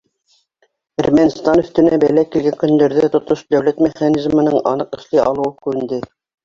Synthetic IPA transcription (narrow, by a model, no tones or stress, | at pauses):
æɾmænst̪ɑnɵ̆θt̪ɵ̆næbæjlækilɡæŋkɵ̆nd̪æɾðæt̪ŏt̪oʃd̪æwlæt̪mʲeχɑnʲizmɤ̆nɤɴɑ̰nɤqɘ̆ʃlˠɤjɑ̰lˠɤ̆wɤkʉɾɘ̆nd̪ɘ